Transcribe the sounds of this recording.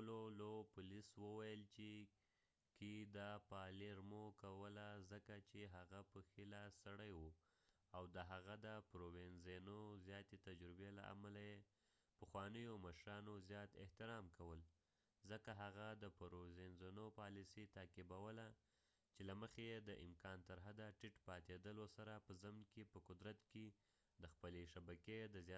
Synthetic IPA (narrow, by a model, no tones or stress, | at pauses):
lolopʊliswəwajəlt͡ʃe | kid̪apɑliɾmokawəlazəkat͡ʃeɦaɣapəxilasaɽəjwu | awd̪əɦaɣad̪əpɾowenzenozjɑt̪et̪ad͡ʒɾɪbela̰ʔa̰malaje | pəxwɑnəjoməʃɾɑnozjɑt̪ɪ̰ht̪ɪɾɑmkawəl | zəkaɦaɣad̪əpɾozenzenopɑlisit̪ɑkɪbawəla | t͡ʃelaməxeed̪əʔɪ̰mkɑnt̪əɾɦad̪aʈɪʈpɑt̪ed̪əlwosaɾapəzamnkepəkʊd̪ɾat̪ke | d̪əxpəleʃabaked̪əz